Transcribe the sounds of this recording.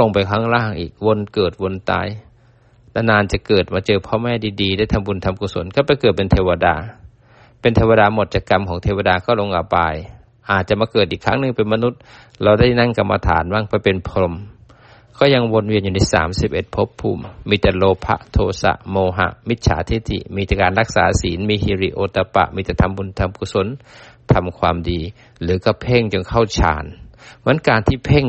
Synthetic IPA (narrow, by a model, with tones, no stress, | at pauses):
lo˧˨ŋpa˨jkʰaː˧˥˨ŋlaː˧˥˩ŋʔḭː˨˩k̚wo˧˥nkɤː˨˩t̪̚wo˧˥nt̪a̰ː˧˥˨j | la˧˥naː˧˨nt͡ɕa˧˦kɤː˨˩t̪̚maː˧t͡ɕɤː˧pʰɔː˧˩mɛː˧˨diː˧diː˧daː˥˩jt̪ʰa˧mbu˧˨nt̪ʰa˧mkuː˧so̰˨˦nkʰa˧˥˩wpɛ˧˦jkɤː˨˩t̪̚pe˨nt̪ʰeː˧wa˧da̰ː˧ | pe˨nt̪ʰeː˧wa˧daː˧mo˨˧t̪̚t͡ɕa˧˩kːa˧˩mkʰɔː˨˦ŋt̪ʰeː˧wa˧daː˧kʰa˧˩˨lo˧ŋʔa˧˩wpa˧j | ʔaː˨˩t̪̚t͡ɕa˨maː˧kɤː˨˩t̪̚ʔiː˨˩kʰːaː˧˥˨ŋnɯ˧˨ŋpe˨nma˧nu˧˥t̪̚ | la˧wda˥˩jna˧˥˨ŋka˧mːa̰˧t̪ʰa̰ː˨˦nwa˧˥˨ŋpa˨˧˦jpe˨npʰɾo˧m | kʰɔː˧˥˩ɲa˧ŋwo˧˥n̚wi˧ənɲuː˨˧na˧˥˩jsa̰ː˨˦msi˧˩p̚ʔe˧˩t̪̚pʰo˦˥pʰːuː˧˩mːiː˧t̪ɛ˧loː˧pʰa̰˧˥ʔt̪ʰoː˧sa̰˧ʔmoː˧ɦa̰˧ʔmi˦t̪̚sʰa̰ː˨˦t̪ʰi˧˦t̪ʰḭ˧˨miː˧t̪ɛ˧kaː˨nla˧k̚sa̰ː˨˦siː˨˦nmiː˧hi˧ɾi˧˩ʔoː˧t̪a˧pa̰˧˨ʔmiː˧t̪ɛ˧˩t̪ʰa˧˨mbu˧nt̪ʰa˧mkʰu˧so˧˥˨nt̪ʰa˧mkʰwaː˧mdiː˨ | lɯː˨˦ka˧pʰeː˥˩˨ŋt͡ɕo˧˨ŋkʰa˥˩wt͡ɕʰa̰ː˨˦nmɯ˧˦ənkaː˨nt̪ʰiː˧˩pʰeː˥˨ŋ